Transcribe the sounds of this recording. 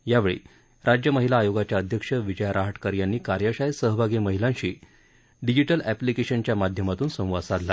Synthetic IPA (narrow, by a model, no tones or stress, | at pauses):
jaʋeɭḛ | ɾad͡ʑjəməɦilaːjoɡat͡ɕjaəd̪ʱjəkʂəʋid͡ʑəjɾaɦəʈkəɾjanːiːkaɾjaɕajsəɦbʱaɡiməɦilãɕiː | ɖid͡ʑiʈəlæplikeɕənt͡ɕjamad̪ʱjəmat̪uːnsə̃w̃ʋasaɾla̰